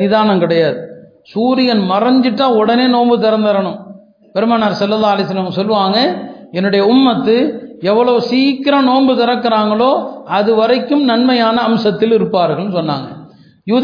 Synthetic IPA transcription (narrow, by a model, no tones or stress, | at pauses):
ɪðaːnɐmkɪɽɐjaːðɯ | suːɾɪjɐnmɐrɐɲd͡ʒɪʈːãːɔɽɐneːnoːmbɯt̪ɐɾɐnd̪ɐɾɐɳɯm | pɛɾɯmaːnaːɾsɐlːɐlːaːɐlɐɪs̬ɐlːɐmɐsɔlːɯʋaːŋɡɐɛnːɯɽɐjɐʊmːɐt̪ːɯɛʋːɐɭɐʋɯsiːkːɪɾɐnoːmbɯt̪ɐɾɐkːɪɾaːŋɡɐɭoːɐðɯʋɐɾɐɪkːɯmnɐnmɐjaːnɐːmsɐt̪ːɪlɪɾɯpːaːɾɣɐɭnɯsɔnːa̰ːŋɡɐ̰ | juːð